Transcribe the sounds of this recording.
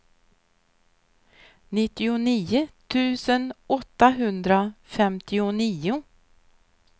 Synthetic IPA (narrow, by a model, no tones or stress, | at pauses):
nɪt̪ːɪʊniːʊt̪ʰʉ̟ːsənɔt̪ːaɦɵnd̪ɾafɛmt̪ʰɪʊniːʊ